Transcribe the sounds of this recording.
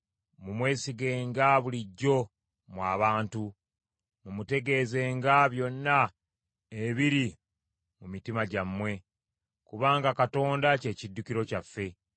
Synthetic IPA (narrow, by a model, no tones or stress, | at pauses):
mumwe̞ːsiɡe̞ːŋɡaβuliɟːo̞ | mwaːβaːntu | mumute̞ɡe̞ːze̞ːŋɡaβjo̞nːa | eβiɾi | mumitimaɟamːwe̞ | kuβaːŋɡakato̞ːndace̞ːcidːukiɾo̞cafːe̞